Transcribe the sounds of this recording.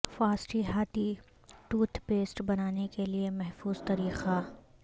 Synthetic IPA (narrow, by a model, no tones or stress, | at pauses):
faːsʈiɦaːt̪i | ʈuːt̪ʰpeːsʈbɐnaːnekeliemɛɦfuːzt̪ɐɾiːqa